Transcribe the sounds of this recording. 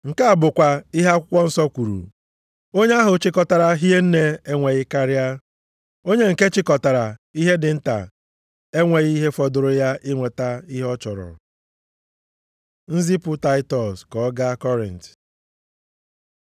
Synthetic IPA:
ŋ̩˨ka˦a˨bʊ˨kʷa˨i˦ɦa˦kʷʊ˦kʷɔ˦n̩˦sɔ˦kʷu˨ɾṵ˨ | o˦ɲe˦a˦ɦʊ˨t͡ʃɪ˦kɔ˨ta˨ɾa˨ɦi˦e˦n̩˦ne˦e˦ŋʷe˨ɣɪ˦ka˦ɾja˦ | o˦ɲe˦ŋ̩˨ke˦t͡ʃɪ˦kɔ˨ta˨ɾa˨i˦ɦe˦dɪ˨n̩˦ta̰˨ | e˦ŋʷe˨ɣi˦ɦe˦fɔ˨dʊ˨ɾʊ˨ja˦ʔɪ˦ŋʷe˨ta˦i˦ɦɔ˦t͡ʃɔ˨ɾɔ̰˨ | n̩˦zi˦pʊ˦ta˦ɪ˦tɔ˨skɔ˨˦ɡa˦kɔ˦ɾḭ˨n˨t

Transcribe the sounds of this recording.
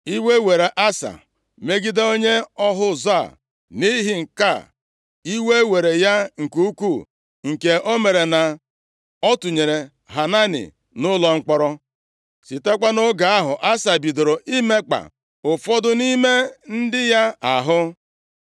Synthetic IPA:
i˦we˦we˨ɾe˨ʔa˦sa̰˨ | me˦ɡi˦de˦o˦ɲe˦ɔ˦ɦʊ˦za̰˦˨ | ni˦ɦɪ˦ŋ̩˨ka˦˨ | i˦we˦we˨ɾe˨ja˦ŋ̩˨ku˦u˦ku˦˨ | ŋ̩˨ke˨ʔo˦me˨ɾe˨na˨ | ɔ˦tu˨ɲe˨ɾe˨ | ɦa˨na˦nɪ̰˨ | nʊ˦lɔ˦ŋ͡m̩˦k͡pɔ˦ɾɔ˦ | si˨te˦kʷa˦no˦ɡa˨a˦ɦʊ˨ʔa˦sa˨bi˨do˨ɾo˨ʔi˦me˦k͡pa̰˨ | ʊ˨fɔ˦dʊ˦ni˦me˦n̩˦dɪ˦ja˦a̰˨ɦʊ˦

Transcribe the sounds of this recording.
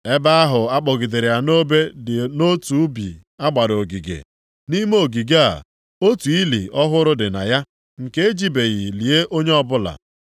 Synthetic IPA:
e˦ba˦a˦ɦʊ˨a˦k͡pɔ˨ɡɪ˨de˨ɾɪ˨a˨no˦be˦dɪ˨no˦tu˦bḭ˨ | a˦ɡ͡ba˨ɾo˨ɡi˨ɡḛ˨ | ni˦m˦o˨ɡi˨ɡa̰˨ | o˦tu˨i˦lḭ˨ʔɔ˦ɦʊ˦ɾʊ˦dɪ˨na̰˨ja˦ | ŋ̩˨ke˦e˦d͡ʒi˦be˨ɣi˨li˨e˦ʔo˦ɲe˦ɔ˦bʊ˦la̰˨

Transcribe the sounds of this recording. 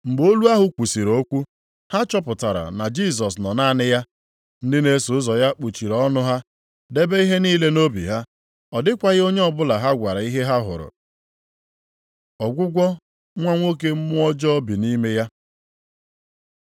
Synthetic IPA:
ŋ͡m̩˨ɡ͡bo˦lu˦a˦ɦʊ˦kʷu˨si˨ɾo˦kʷu˦ | ha˦t͡ʃɔ˦pʊ˨ta˨ɾa̰˨na˨d͡ʒi˦s̬ɔ˨s̬nɔ˨na˦˨nɪ˦ja˦ | n̩˦dɪ˦ne˦su˨˦zɔ˨ja˦k͡pu˨t͡ʃi˨ɾɔ˦nʊ˦ɦa˦ | de˦be˦i˦ɦe˦niː˦le˦no˦bḭ˨ɦa˦ | ɔ˨dɪ˦kʷa˨ɣɪ˦o˦ɲe˦ɔ˦˨bʊ˦la˨ɦa˦ɡʷa˨ɾa˨i˦ɦe˦ɦa˦ɦʊ̰˨ɾʊ̰˨ | ɔ˨ɡʷʊ˦ɡʷɔ˦ | ŋʷa˦ŋʷo˦k̬e˦m̩˦mʊ˦ɔ˦d͡ʒɔ˦ɔ˦bi˨ni˦me˦ja˦

